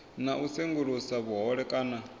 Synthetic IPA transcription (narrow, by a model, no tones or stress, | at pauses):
naʔuseŋɡuɺusaβuɦɔɺɛkʼaːna